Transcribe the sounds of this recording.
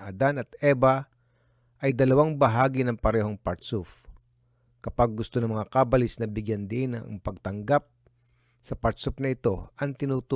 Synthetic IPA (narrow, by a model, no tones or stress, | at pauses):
ad̪anɐt̪̚ʔɛbɐ | ʔɐjd̪ɐlɐwaŋbɐɦaːɡɪnɐŋpɐɾɛːɦo̞ŋpɐɾt̪suf | kɐpaɡ̚ːʊst̪onɐŋmɐŋakabɐlɪsnɐbɪɡjand̪ɪnɐ̰ŋpɐɡ̚t̪ɐŋɡap̚ | sɐpɐt̪sufnɐɪt̪o̞ʔɐŋt̪ɪnut̪u